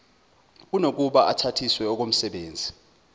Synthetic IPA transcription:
k̬unok̬uɓaʔatʰatʰiswɛɔk̬om̩sɛɓeːnd͡zʱi

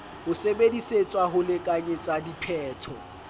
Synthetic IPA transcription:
hʊsebediset͡sʼwaɦʊlɪkʼaɲet͡sʼadipʰɛːtʰɔ

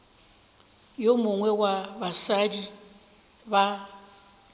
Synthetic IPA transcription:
jomʊŋwɛwabasadi | ba

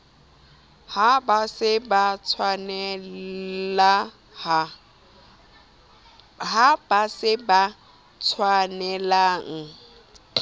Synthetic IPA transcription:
habasɪbat͡sʰwanɛ | la | ha | ɦab̥asɪba | t͡sʰwanɛlaŋ̩

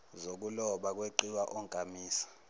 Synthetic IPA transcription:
zok̬ulɔɓak̬weǃiwaʔɔŋkʼamiːsḁ

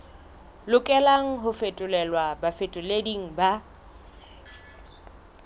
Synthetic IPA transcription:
lʊkʼɛlaŋ̩ɦʊfetʼʊlɛlwabafetʼʊlediŋ̩ba

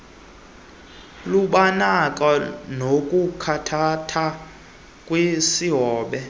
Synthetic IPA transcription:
luɓanakʼanokʼukʰatʰatʰa | kʼwesiɦɔːɓɛ

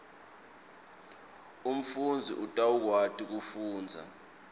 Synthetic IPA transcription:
um̩fund͡zʱiʔutʼauk̬watʰʼik̬ufuːnd͡zʱa̰

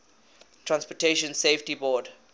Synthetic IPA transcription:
tʰɹãnspɔtʰeʃə̃nseftibɔd

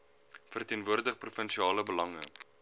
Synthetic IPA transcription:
fərtiənvuərdəχprufənʃiɑːləbəlɐŋə̰

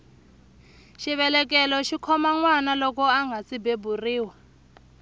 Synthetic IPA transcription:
ʃiɓɛlɛk̬ɛlɔʃikʰɔmaŋwanalɔk̬ɔaŋɡʱasibeburiːwa

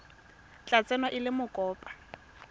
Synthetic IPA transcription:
t͡ɬʼat͡sʼɛnɔʔɪlɪmʊkʼɔːpʼḁ

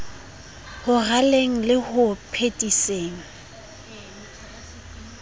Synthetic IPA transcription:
hʊɣaleŋ̩lɪhʊpʰetʼiseːŋ̩

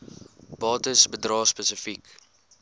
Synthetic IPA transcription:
b̥ɑːtəsbədrɑːspəsəfik

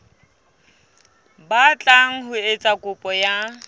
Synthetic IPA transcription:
bat͡ɬʼaŋ̩ɦʊet͡sʼakʼʊpʼɔja

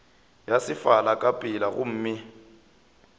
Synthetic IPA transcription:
jasɪfalakʼapʼɪlaɣʊ̰m̩ːmɪ

